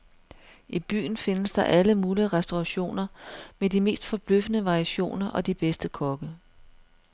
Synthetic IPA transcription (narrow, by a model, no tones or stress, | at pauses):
ʔib̥y̰ːn̩fe̝nəsd̥ɑ̈ʔæləmuːliʁɛsd̥oʁɑɕo̝̰ːnɐmedime̝̰ːsd̥fɒ̽b̥løfənəʋɑ̈ːʁiæɕo̝̰ːnɐʔɒ̽d̥ib̥esd̥əkʰɒ̽ɡ̥ə